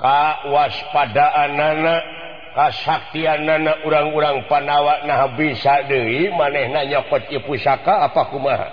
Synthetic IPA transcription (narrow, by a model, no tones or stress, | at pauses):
kawaspadaʔanana | kasak̚t̪ianːanaʔuɾaŋuɾaŋpanawaʔnaɦabisadəimanɛhnaɲɔkɔt̪̚ipusakaːpakumaɦa̰